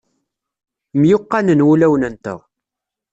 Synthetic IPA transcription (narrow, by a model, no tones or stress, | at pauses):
mjʊqːɑnənwulæwnənt̪ə̰ʁ